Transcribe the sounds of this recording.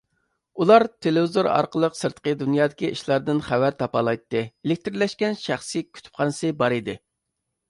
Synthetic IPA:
ulˠɑɾt̪ʰelɪvɪzoɾɑ̰ɾqəlˠəqsɨɾt̪qəd̪unjɑːd̪ɪkʲiʔiʃlˠɑɾd̪ɨnχævæɾt̪ʰɑpɑlˠɑjt̪ːɨelɪk̚ʲt̪ɾlɛʃkʲɛnʃæχsɨkʲʰy̥t̪ʰy̥p̚qʰɑnɨsɨbɑɾid̪ɪ

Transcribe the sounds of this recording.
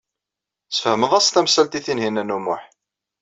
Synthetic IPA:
sfhəməðˤæsθæmsælt̪iθinhinænːumʊħ

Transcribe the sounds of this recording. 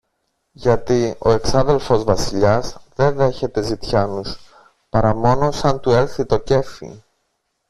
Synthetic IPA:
ʝɐt̪io̞e̞ksɐðe̞lfo̞zvɐsiʎɐzðe̞nðe̞çe̞t̪e̞zit̪çɐnus | pɐɾɐmo̞no̞sɐnt̪ue̞ɾθit̪o̞ce̞fḭ

